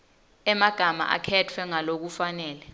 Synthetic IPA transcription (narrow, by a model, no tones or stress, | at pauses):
ɛmaɡ̥ʱama̰ʔa̰kʰɛtʰwɛŋalok̬ufanɛːlɛ